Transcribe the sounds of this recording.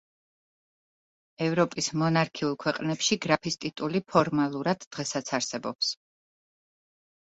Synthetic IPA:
ɛvɾɔpʼismɔnaɾkʰiulˠkʰwɛqʼnɛpʃiɡɾapʰist̪ʼit̪ʼulipʰɔɾmalˠuɾad̪̥ːʁɛsat̪sʰaɾsɛbɔps

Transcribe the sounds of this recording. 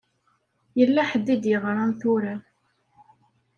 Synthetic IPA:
jəlːæħəd̪ːid̪jəʁɾˤanθuɾa

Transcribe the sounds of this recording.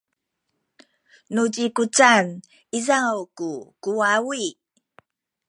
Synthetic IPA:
nud͡ʑikut͡san | izawkukuawi

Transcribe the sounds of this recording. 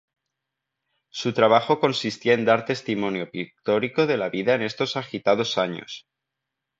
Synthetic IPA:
sut̪ɾaβ̞axo̞ko̞nsist̪iae̞nd̪aɾt̪e̞st̪imõ̞njo̞pik̚t̪o̞ɾiko̞ðe̞laβiðae̞ne̞st̪o̞saxit̪að̞o̞saɲo̞̰s

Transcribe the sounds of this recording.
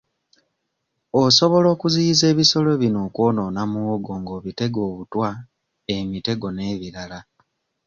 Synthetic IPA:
oso̞βo̞lo̞ːkuzize̞ːβiso̞le̞βino̞ːkwo̞ːno̞ːnamuwoɡo̞ːŋɡo̞ːβite̞ɡo̞ːβutwa | emite̞ɡo̞ne̞ːβilala

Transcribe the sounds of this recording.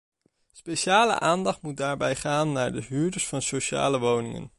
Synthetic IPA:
spejʃaːlə̰ʔaːndɑχtmut̚daːɹbɛjχaːnːaːɹdəɦyːɹdəɹsfɑnsowʃa̰ːləʋownɪŋə̰n

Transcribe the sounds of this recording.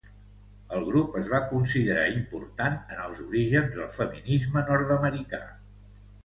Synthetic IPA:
əlˠɣɾupəzβakunsiðəɾa̰impṵɾt̪anənəlˠzuɾiʒənzðəlˠfəminizmənɔɾt̪əməɾika̰

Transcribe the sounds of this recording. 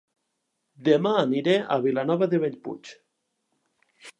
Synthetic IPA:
d̪emaːniɾeʔa̰βilanɔβaðeβeʎpṵt͡ʃ

